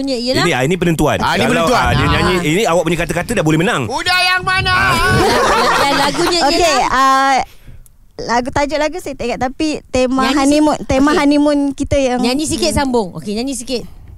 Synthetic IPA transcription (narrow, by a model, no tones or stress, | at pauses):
ɲəijəiniainĩp̬ənənt̪ua̰nainiaələauadəɲaɲiiniawaʔ̚puɲəkat̪əkat̪ədaʔbolɛhmənaŋudahjaŋmana | danlaɡuɲaokea | laɡut̪ad͡ʒʊʔlaɡuset̪ɛɡaʔt̪ːapit̪emaanimnt̪emaɦanimʊnkit̪əjaŋɲaɲĩs̬ikɪt̪sambʊŋo̰keɲaɲĩsikɪt̪̚